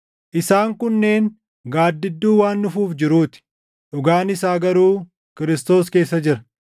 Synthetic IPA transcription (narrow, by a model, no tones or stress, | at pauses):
ʔɪsaːŋkʊnːe̞ːŋ | ɡaːd̪ːɪd̪ːuːwaːnːʊfuːfd͡ʒɪɾuːt̪ɪ̥ | ᶑʊɡaːnɪsaːɡɐɾuː | kɪɾɪst̪o̞ːske̞ːsːɐd͡ʒɪɾɐ̥